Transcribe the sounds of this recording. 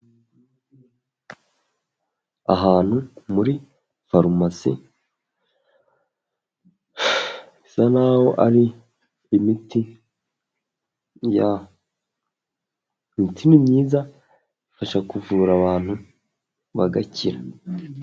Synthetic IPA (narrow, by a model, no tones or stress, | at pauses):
a̰ɦaːn̥humuɾi | faɾumasḭ | isanawoʔaɾi | imiti | ja | mitʰinimɲiːza | ifaʃakuvuːɾaβaːn̥hu | βaɡaciɾa